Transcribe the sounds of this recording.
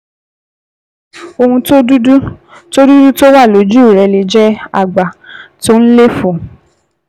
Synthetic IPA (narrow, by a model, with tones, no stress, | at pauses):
o˧hũ˧˦ | to˦du˦du˦to˦wa˦˨lo˨˦d͡ʒu˦˨ɾɛ˧le˧d͡ʒɛ˦a̰˦˨ɡ͡ba˨to˦n̩˦le˦fũ˨